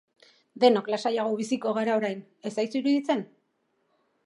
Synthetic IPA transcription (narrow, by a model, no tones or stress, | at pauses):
d̪e̞noklasajaɣ̞o̞β̞isiko̞ɣaɾao̞ɾajn | e̞sajt͡suiɾuðit͡se̞n